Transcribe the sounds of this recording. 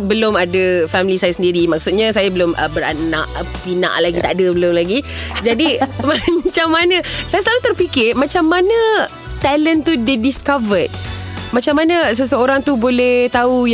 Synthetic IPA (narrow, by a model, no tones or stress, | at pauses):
bəlomadafɛmilisajasəndiɾimak̚sʊt̪̚ɲasajabəlomʔə̰bəɾa̰na̰ʔpina̰ʔlaɡit̪a̰ʔadəbəlʊmlaɡid͡ʒadimat͡ʃamːanəsajasəlalut̪ərpikɪrmat͡ʃamːanə | t̪ɛlənt̪udədiskavət̪̚mãt͡ʃamanəsəsəoɾaŋt̪ubolɛht̪auj